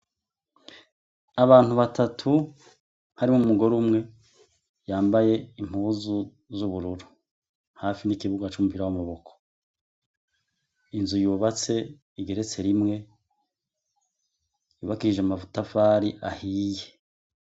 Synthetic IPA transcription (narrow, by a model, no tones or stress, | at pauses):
aβaːn̥uβatʰatʰu | haɾimumuɡo̞ɾumŋe̞ | jaːmbaje̞im̥uuzu | zuβuɾuɾu | haːfinikiβuɡat͡ʃumupiɾawamaβo̞kʰo̥ | inzujuːβat͡se̞ | iɡe̞ɾe̞t͡se̞ɾimŋe̞ | juːβakiɾiʒeamavutafaːɾiʔahije